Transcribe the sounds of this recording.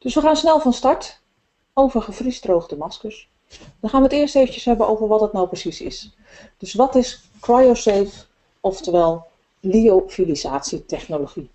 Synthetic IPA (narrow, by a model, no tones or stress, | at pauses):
d̥ɵsʋəχaːnsnɛlˠfɑnstɑɹt | owvərχəfrisdrowχdəmɑskəs | dɑnχaːnʋəətɪərstejvənjəsɦɛbənʔo̰wvəɹʋɔtdɑtnawprəsisɪ̰s | d̥ɵsʋɑtɪs | krajoseːf | ɔftəʋɛlˠ | liofilizaːtsitɛχnoloχi